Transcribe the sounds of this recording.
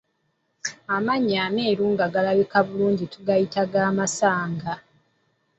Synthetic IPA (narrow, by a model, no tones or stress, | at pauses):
amaɲːaːne̞ːɾuːŋɡaɡalaβekaβuluːɲɟituɡajitaɡaːmasaːŋɡa